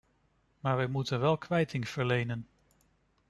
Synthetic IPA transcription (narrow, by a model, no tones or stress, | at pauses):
maːɹʋɛjmutənʋɛlˠkʋɛjtʰɪŋv̥əɹlejnən